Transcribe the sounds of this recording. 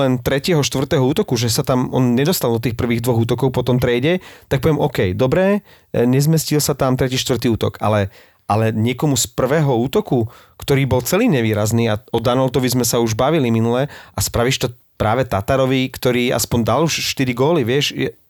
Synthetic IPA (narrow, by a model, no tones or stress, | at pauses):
lɛnt̪ɾɛcɛɦɔʃt̪ʋrt̪ɛɦɔuːt̪ɔkuʒɛsat̪amɔ̰nɲɛd̪ɔst̪alˠd̪ɔt̪iːxpr̩ʋiːɣd̪ʋɔɣuːt̪ɔkɔʊpɔt̪ɔmt̪ɾɛjɟɛt̪ak̚pɔʋjɛmʔɔkɛjd̪ɔbɾɛ | ɲɛzmɛscilsat̪amt̪ɾɛciːʃt̪ʋr̩t̪iːuːt̪ɔ̰kʰa̰lɛ | alɛɲɪɛkɔmuspr̩ʋɛːɦɔuːt̪ɔku | kt̪ɔɾiːbɔlt͡sɛliːɲɛʋiːɾazniːaɔd̪anɔlt̪ɔʋizmɛsauʒbaʋiliminulɛʔaspɾaʋiʃt̪ɔ | pɾaːʋɛt̪at̪aɾɔʋikt̪ɔɾiːa̰spɔnd̪aluʃʃt̪iɾiɡɔliʋɪɛʃɛ